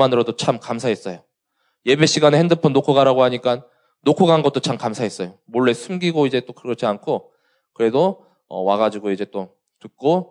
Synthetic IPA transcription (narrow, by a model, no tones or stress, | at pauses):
anɯɾodot͡ɕʰamkamsʰaɦes͈ʌjo | je̞be̞ɕ͈iɡanehendɯpʰʌnːokʰoɡaɾaɡoɦaɲik͈anː | okʰoɡanɡʌt͈ot͡ɕʰamkamsʰaɦes͈ʌjomoɭːe̞sʰumɡiɡoid͡ʑe̞t͈okɯɾɡʌt͡ɕʰiankʰo | kɯɾe̞do | ʌ̰waɡad͡ʑiɡoid͡ʑe̞t͈o | tɯk̚k͈o